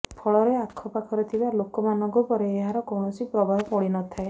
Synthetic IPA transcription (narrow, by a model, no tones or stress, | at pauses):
pʰɔɭɔɾeakʰːɔpakʰɔɾɔt̪ʰibalokɔmanɔŋkupɔɾeːɦaɾɔkɔwɳɔsipɾɔbʱaɦɔpɔɽinɔt̪ʰae